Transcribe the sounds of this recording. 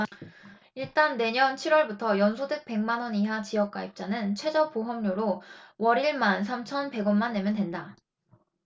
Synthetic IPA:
iɭt͈anːe̞ɲʌnt͡ɕʰiɾwʌɭbutʰʌjʌnsʰudɯk̚p͈e̞ŋmanʌniɦat͡ɕijʌk̚k͈aip̚t͡ɕ͈anɯnt͡ɕʰwe̞d͡ʑʌpoɦʌmɲoɾowʌɾiɭmans̬ʰamt͡ɕʰʌnpe̞ɡʌnmanːe̞mjʌndwe̞nda

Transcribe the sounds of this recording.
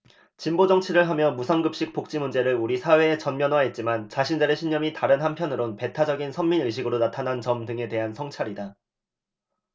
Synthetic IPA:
t͡ɕimbod͡ʑʌŋt͡ɕʰiɾɯɭɦamjʌmusʰʌŋɡɯp̚ɕ͈ik̚p͈ok̚t͡ɕ͈imund͡ʑe̞ɾɯɭuɾisʰawe̞ːt͡ɕʌnmjʌnwaɦe̞t̚t͡ɕ͈imant͡ɕaɕʰind͡ʑaɾeɕʰiɲɲʌmitaɾɯnɦanpʰjʌnɯɾonpe̞tʰad͡ʑʌɡinsʰʌmːinɯɭɕ̬ʰiɡɯɾonatʰanant͡ɕʌmdɯŋe̞te̞ɦansʰʌŋt͡ɕʰaɾida

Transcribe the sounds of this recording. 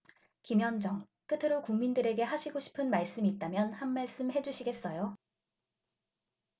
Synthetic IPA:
kimjʌnd͡ʑʌŋ | k͈ɯtʰɯɾokuŋmindɯɾe̞ɡe̞ɦaɕʰiɡoɕʰi̥pʰɯnmaɭs͈ɯmiːt̚t͈amjʌnhanmːaɭs͈ɯmɦe̞d͡ʑuɕʰiɡe̞s͈ʌjo

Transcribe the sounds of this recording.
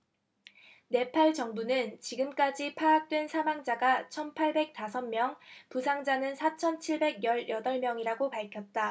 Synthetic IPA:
ne̞pʰaɭt͡ɕʌŋbunɯnt͡ɕiɡɯmk͈ad͡ʑipʰaɡak̚t͈we̞nsʰamaŋd͡ʑaɡat͡ɕʰʌnpʰaɭbe̞k̚t͈asʰʌnmjʌŋpusʰaŋd͡ʑanɯnsʰat͡ɕʰʌnt͡ɕʰiɭbe̞ɡjʌɭjʌdʌɭmjʌŋiɾaɡopaɭkʰjʌt̚t͈a

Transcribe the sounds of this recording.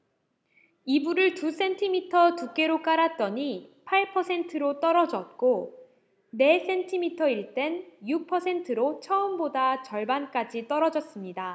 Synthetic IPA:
ibuɾɯɭtus͈ʰe̞ntʰimitʰʌtuk͈e̞ɾok͈aɾat̚t͈ʌɲipʰaɭpʰʌsʰe̞ntʰɯɾot͈ʌɾʌd͡ʑʌt̚k͈o | ne̞s͈e̞ntʰimitʰʌiɭt͈e̞njuk̚pʰʌsʰe̞ntʰɯɾot͡ɕʰʌɯmbodat͡ɕʌɭbank͈ad͡ʑit͈ʌɾʌd͡ʑʌs͈ɯmɲida

